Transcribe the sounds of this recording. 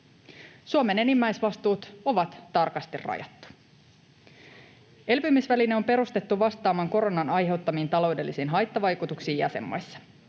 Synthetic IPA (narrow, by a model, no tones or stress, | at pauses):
suomene̞nimːæjsʋɑst̪uːt̪o̞ʋɑt̪ːɑrkɑst̪irrɑ̰jɑ̰t̪ːu̥ | e̞lpymisʋælineo̞mpe̞ɾust̪et̪ːuʋɑst̪ɑːmɑŋko̞ɾo̞nɑnɑjɦe̞wt̪ːɑmiːnt̪ɑlo̞wde̞lːisiːnɦɑjt̪ːɑʋɑjkut̪uksiːjɑ̰se̞̰mːo̰jsːɑ̥